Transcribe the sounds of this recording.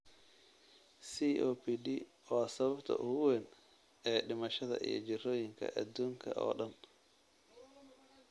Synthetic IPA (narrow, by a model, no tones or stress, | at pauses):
siʔoːpʰiɖi | wɔsɐβɐbt̪ʰɐ̰ʔʊwɛn | ʔɛːɖɪmɐʃɐðɐ̰ʔḭjɔd͡ʒɪrɔːjɪŋkʰɐ̰ʔɐd̪uːŋkʰɐʔɔ̰ːɗɐn